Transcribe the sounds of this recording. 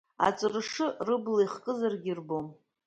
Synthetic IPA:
a̰t͡sʼrʂɨrɨblajχkʼɨzarɡʲirbom

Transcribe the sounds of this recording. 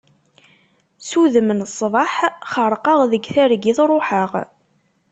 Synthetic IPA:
suðəmənsˤːvɑħχəɾˤqɑʁðəɡθæɾɡiθɾˤoħəʁ

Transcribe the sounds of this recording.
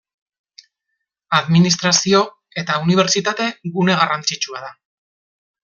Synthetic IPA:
aðminist̪ɾasio̞ | e̞t̪auniβ̞e̞ɾt͡ʃit̪at̪e̞ɣune̞ɣ̞arant͡sit͡ʃuað̞a

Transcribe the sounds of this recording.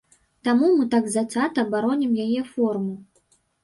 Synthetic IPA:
t̪amumɨt̪aɡzasʲat̪ɐːbaɾɔnʲɛmjajɛfɔrmu

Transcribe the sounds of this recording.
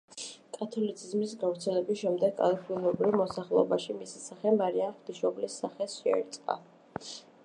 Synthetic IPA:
kʼat̪ʰɔlit̪sʰizmisɡavɾt̪sʰɛlɛbisʃɛmd̪ɛɡa̰lapʰilɔɛbɾivmɔsaχlˠɛɔbaʃimisɛ̥saχɛmaɾianχd̪iʃɔblisːaχɛsʃɛɛ̰ɾt̪sʼqʼa̰

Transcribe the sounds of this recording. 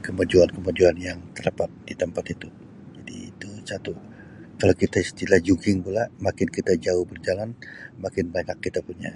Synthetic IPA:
kəmad͡ʒuankəmad͡ʒuanjaŋt̪əɾapat̪̚dit̪əmpat̪it̪u | d͡ʒadḭːt̪ut͡ʃat̪u | kalakit̪aist̪ilahd͡ʒukɪŋpulamakɪnkit̪ad͡ʒaʊhbərd͡ʒalanmakɪnbaɲakːit̪apuɲa̰

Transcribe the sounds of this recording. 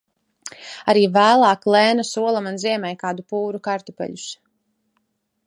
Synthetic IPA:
aɾiːvæːlˠaːklˠɛːnasuɔlˠamanziɛmɛjkaːd̪upuːɾukaɾt̪upɛ̰ʎus

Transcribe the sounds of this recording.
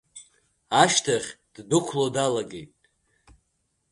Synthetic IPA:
aʃtʰaχʲd̥dɨkʷʰlodalaɡʲe̞jtʼ

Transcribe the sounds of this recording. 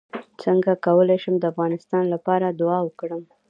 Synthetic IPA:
t͡səŋɡakawəlajʃəmd̪əafɣɑnɪst̪ɑnlapɑɾad̪ʊɑwəkɽəm

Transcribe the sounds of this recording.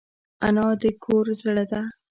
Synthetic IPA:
anɑd̪əkʰoɾzɽəd̪a

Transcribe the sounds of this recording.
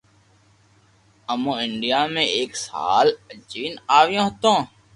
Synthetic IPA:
əmõːɪɳɖɪjaːmẽːeːksa̰ːlət͡ʃiːnaːʋɪjõːɦət̪õː

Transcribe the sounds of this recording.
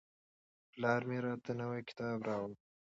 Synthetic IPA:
plɑːɾmeːɾaːt̪ɐnɐwejkɪ̥t̪ɑːbɾɑːwəl

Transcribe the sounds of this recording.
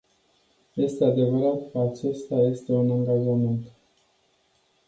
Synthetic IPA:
je̞st̪e̞ad̪e̞vəɾat̪kəat͡ʃe̞st̪aje̞st̪e̞unaŋɡaʒament̪

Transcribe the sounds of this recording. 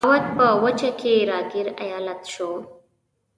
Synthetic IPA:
wat̪̚pəwət͡ʃakʰeɾɑɡɪɾa̰jɑːlat̪ʃo

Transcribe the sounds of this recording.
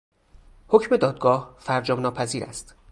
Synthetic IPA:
ho̞cme̞d̪ɒːd̪̚ɡɒːhfæɾd͡ʒɒːmnɒːpʰæziːɾæ̰st̪

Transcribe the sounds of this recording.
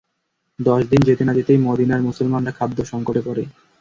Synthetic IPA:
d̪ɔʃd̪ind͡ʑet̪inad̪it̪ejmod̪inaɾmusolmanɾakʰad̪ːoʃɔŋkoʈepɔɾe

